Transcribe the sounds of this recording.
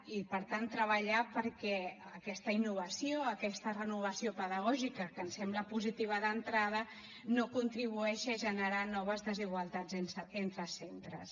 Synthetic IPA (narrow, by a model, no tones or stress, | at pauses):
ipəɾt̪ant̪ːɾəβəʎapəɾkɛəkɛst̪əinːuβ̞əsioəkɛst̪ərənuβ̞əsiopəðəɣɔʒikəkənsɛmbləpuzit̪iβ̞əðənt̪ɾað̞ə | nokunt̪ɾiβuɛʃəʒənəɾanɔβ̞əzðəziɣwalˠt̪ad͡zensent̪ɾəsent̪ɾə̰s